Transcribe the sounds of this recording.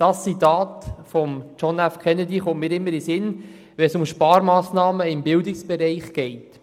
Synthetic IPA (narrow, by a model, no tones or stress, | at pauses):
d̥ɑssit̪ɑːtfɔmt͡ʃɔnæfkʰɛnɛdiχʊntmɪːɾɪmːəɾisɪn | ʋɛnsʊmʃpɑːɾmɑːsnɑːməɪmbɪldɪksb̥ɛɾɛɪχɡ̥ɛɪt